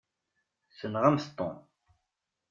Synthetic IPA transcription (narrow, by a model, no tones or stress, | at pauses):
sənʁæmst̪ˤːo̰n